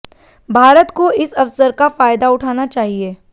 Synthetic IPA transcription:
bʱaːɾət̪koɪsɐʋsəɾkafaːjd̪aʊʈʰaːnat͡ʃaːɦieː

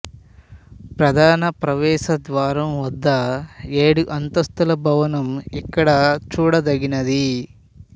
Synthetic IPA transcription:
pɾɐd̪ʱaːnɐpɾɐʋɛːʃɐd̪ʋaːɾɐmʋɐd̪ːɐeːɽuʔɐnt̪ɐst̪ulɐbʱɐʋɐnɐmikːɐɽɐt͡ʃuːɽɐd̪ɐɡinɐd̪i

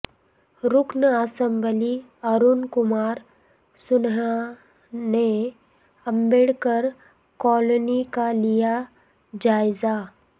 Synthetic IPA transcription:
ɾʊknəaːsə̃mbəli | aɾunkʊmaːɾ | sʊna | ne | ə̃mbeɽkəɾ | kɔːlonikalija | d͡ʒaːɪza

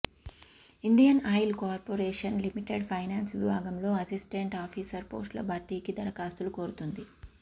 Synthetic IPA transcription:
iɳɖijɐnɐjlkaːɾpoːɾeːʂɐnlimiʈeɖpʰɐjnaːnsʋibʱaːɡɐmlo̞ːɐsisʈeɳʈaːpʰiːsɐɾpoːsʈlɐ̰bʱɐːɾt̪iːkid̪ɐɾɐkaːst̪uluko̞ːɾut̪und̪i

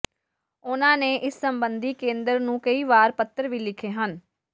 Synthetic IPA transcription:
ʊnãːneːʔɪsːəmbənd̪iːkẽːnd̪əɾnũːkəiːʋaːɾpət̪ːəɾʋiːlɪkʰeːɦən

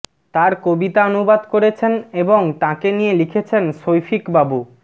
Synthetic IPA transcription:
t̪aɾkobit̪aonubad̪koɾet͡ɕʰeneboŋt̪ãkenijelikʰet͡ɕʰenʃojfikbabu

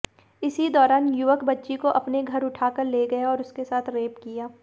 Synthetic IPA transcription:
ɪsid̪ɔːɾaːnjʊʋəkbɐtːʃikoʔɐpneɡʱɐɾʊʈʰaːkəɾleːɡɐjaɔːɾʊskesaːt̪ʰɾeːpkijaː

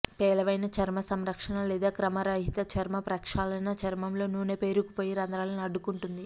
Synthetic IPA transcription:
pɛːlɐʋɐjnɐt͡ʃɐɾmɐsɐmɾɐkʂɐnɐlɛːd̪aːkɾɐmɐɾɐɦit̪ɐt͡ʃɐɾmɐpɾɐkʂaːlɐjnɐt͡ʃɐɾmɐmlo̞ːnuːnepeːɾukupo̞ːjiɾɐnd̪ɾaːlɐnɐɖːukuɳʈund̪i

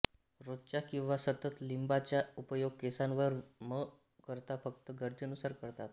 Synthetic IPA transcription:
ɾot̪̚t͡ɕjakĩw̃ʋasət̪ət̪limbat͡ɕjaupəjoɡ̚kesãnʋəɾmə | kəɾt̪afək̚t̪əɡəɾd͡ʑənusaɾkəɾt̪at̪

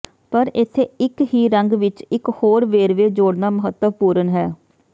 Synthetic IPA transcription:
pəɾɪt̪ʰːeːɪkhiːɾəŋɡʋɪt͡ʃɪkhoːɾʋeːɾʋeːd͡ʒoːɽnaːməɦət̪ːəʋpuːɾənɦɛː

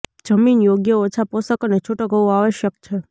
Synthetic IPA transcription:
d͡ʒəminjoɡjəot͡ʃʰaposəkonet͡ʃʰoʈoɡʱəʋũaʋəʃjək̚t͡ʃʰe

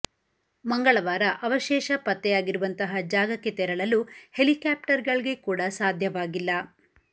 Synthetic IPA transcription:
mɐŋɡɐɭɐʋaːɾɐʔɐʋɐʃɛːʃɐpɐt̪ːɛjaːɡiɾuʋɐnt̪ɐɦɐd͡ʒaːɡɐkːe̞t̪ɛɾɐɭɐluhelikaːpʈɐɾɡɐɭiɡe̞kuːɽɐsaːd̪ʱjɐʋaːɡilːɐ

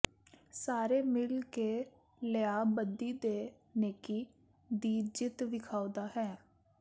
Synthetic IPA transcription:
saːɾeːmɪlkeː | ləjaːbəd̪iːd̪eː | neːkiː | d̪iːd͡ʒɪt̪ʋɪkʰaːod̪aːɦɛ̃ː

